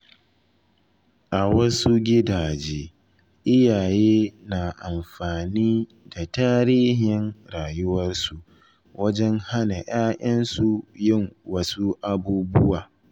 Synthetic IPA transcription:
ʔa˨wɐ˦su˦ɡʲɪ˦daː˨d͡ʒeː˦ | ʔɪ˦jaː˨jeː˦na˨ʔa˨mɸaː˨niː˦ | da˨taː˦ɾiː˦ɦɪ˨nɽaː˨jʊ˦wɐ˦rsu˨ | wɐ˦d͡ʒɛ˦ŋha˦na˨j̰ʔaː˦ʔɐ˦nsu˨jɪ˦˨ŋwɐ˦su˦ʔa˨buː˦bʊ˦waː˨

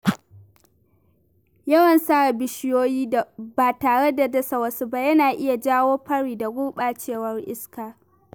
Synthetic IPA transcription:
jɐ˦wɐ˨nsaː˦a˨bɪ˦ʃɪ˦joː˦jiː˦a˨baː˨taː˨ɽe˦da˨dɐ˦sa˨wɐ˦su˦ba˦jɐ˦naː˨ʔɪ˦ja˨d͡ʒaː˦woː˦ɸɐ˦ɽiː˨da˨ɡʷʊ˦ɓaː˨t͡ʃeː˦˨wɐ˦rʔɪ˦skaː˨

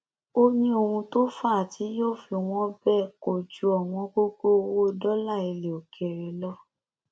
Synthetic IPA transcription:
o˦nĩ˦o˧hũ˧to˦fa˦˨tʰi˨˦joː˦˨fi˧w̃ɔ̃˦bɛ˦˨ko˨d͡ʒu˨˦ɔ˨w̃ɔ̃˧ko˦ko˦˧wo˦˧˦dɔ˦la˦˨i˧le˨o˨kʰɛ˨ɾɛ˨lɔ˦

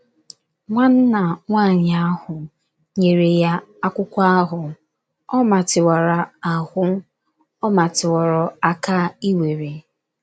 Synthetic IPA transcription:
ŋʷa˦n̩˦na˨ŋʷa˦˨ɲa˦hʊ˨ | ɲe˨ɾe˨ja˦a˦kʷʊ˦kʷa˦a˦ɦʊ˨ | ɔ˦ma˨tɪ˨wa˨ɾa˨a˨hʷʊ˦ | ɔ˦ma˨tɪ˨wɔ˨ɾɔ˨a˦ka˦i˦we˨ɾe˨

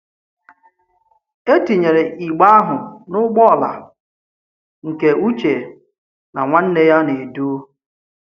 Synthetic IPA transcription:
e˦ti˨ɲe˨ɾe˨ʔi˨ɡ͡ba˦a˦ɦʊ˨nʊ˦ɡ͡bɔ˦˨la̰˨ | ŋ̩˨ke˨u˦t͡ʃe˨ | na˨ŋʷa˦n̩˦ne˦ja˦ne˨du˦

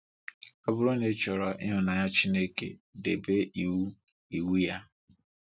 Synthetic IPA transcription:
ɔ˦bʊ˦ɾo˦ne˨˦t͡ʃɔ˨ɾɔ˨ʔɪ̰˦ɦʊ˨na˨ja˦t͡ʃi˦ne˦kḛ˨de˨be˦ʔi˨wu˦ | i˨wu˦ja˦

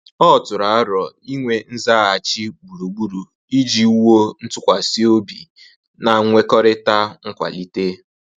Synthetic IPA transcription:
ɔ˦˨tʊ˨ɾa˨a˦ɾɔ˨i˦ŋʷe˨n̩˦za˦a˨t͡ʃi˦ɡ͡bu˨ɾu˨ɡ͡bu˦ɾu˨ | i˦d͡ʒi˦u˦wo˦n̩˦tʊ˦kʷa˨si˦o˦bi˨ | na˨ŋʷe˦kɔ˦ɾɪ˦ta˦ŋ̩˦kʷa̰˨li˦te˦

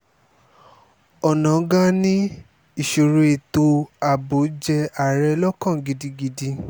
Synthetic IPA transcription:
ɔ˨nã˨˦ɡa˦nĩ˦ | i˦˨ʃo˨ɾu˧e˨to˧a˨bo˨˦d͡ʒɛ˧a˨ɾɛ˧lɔ˦kã˦˨ɡi˧di˧ɡi˧di˧

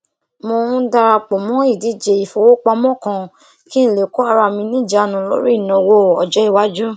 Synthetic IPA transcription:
mo˧ũ˦da˧ɾa˧k͡pɔ˨mɔ̃˨˦i˦˨di˨˦d͡ʒe˨i˨fo˨wo˦k͡pa˧mɔ̃˦˨kã˧ | ki˦ñ̩˦˨le˨ko˦a˦˧ɾa˧˨mĩ˧nĩ˦˨d͡ʒa˧˦˨nũ˨lo̰˦ɾi˦i˦˨nɔ̃˨wo˧˨ɔ̰˨d͡ʒɛ˨˦i˦˨wa˦d͡ʒu˦

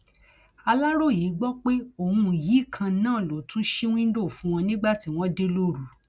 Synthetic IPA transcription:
a˧la˦ɾo˦˨jiː˨˦ɡ͡bɔ˦k͡pe˦o˦˨hũ˧˨ji˨˦˨kʰã˧˦nãː˦˨lo˨tũ˦ʃe˦w̃ĩ˦do˦˨fũ˨˦w̃ɔ̃˧nĩ˦ɡ͡ba˦˨ti˦w̃ɔ̃˦de˦lo˦˨ɾu˨

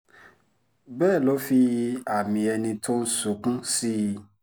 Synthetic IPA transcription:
bɛː˦˨lɔ˦fi˧a˨mĩ˧ɛ˧nĩ˧tʰo˦n̩˦su˨kũ˦si˦

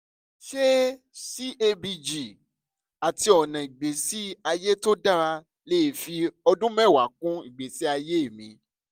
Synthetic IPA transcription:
ʃe˦ | si˦e˧bi˧d͡ʒi˨ | a˨ti˧ɔ˨nã˨i˨ɡ͡be˨si˨˦a˧je˦to˦da˦ɾa˧ | le˦e˦˨fi˧ɔ˧dũ˦mɛ̃˦˨wa˨˦kũ˦i˦˨ɡ͡be˨si˦a˧je˦e˦˨mĩ˧

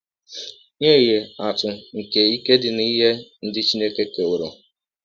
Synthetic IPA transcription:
ɲe˦˨je˨a˨tʊ˨ŋ̩˨ke˨i˦ke˦dɪ˨ni˦ɦe˦n̩˦dɪ˦t͡ʃi˦ne˦ke˦ke˨ʊ˨ɾo̰˨

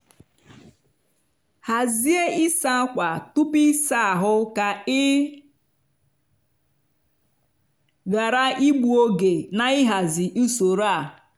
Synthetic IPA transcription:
ha˨zi˦e˦ɪ˦sa˦a˦kʷa˨tu˦pi˦sa˦a˨ɦʊ˦ka˨ɪ˦ | ɣa˨ɾa˦i˦ɡ͡bu˨o˦ɡe˨na˨ɪ˦ɦa˨zɪ˨ʔu˦so˨ɾa˦˨

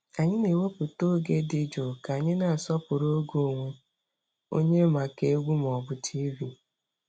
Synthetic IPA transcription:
a˨ɲɪ˦ne˨wo˦pʊ˨to˦ɡe˦dɪ˦d͡ʒo˨ka˨ɲɪ˦na˨a˨sɔ˦pʊ˨ɾo˦ɡo˦˨ŋʷe˦ | o̰˦ɲe˦ma˨ke˦ɡʷu˦m˨ɔ˨bʊ˨tʰi˦bi˨

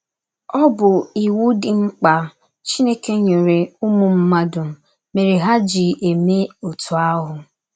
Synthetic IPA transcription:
ɔ˦bʊ˨i˨wu˦dɪ˨ŋ͡m̩˦k͡pa˨ | t͡ʃi˦ne˦ke˦ɲe˨ɾe˨ʊ˦mʊ˨m̩˦ma˦dʊ˨m̩˨ | me˨ɾe˨ɦa˦d͡ʒi˨ʔe˨me˦o˨tʊ˨a˦ɦʊ˨

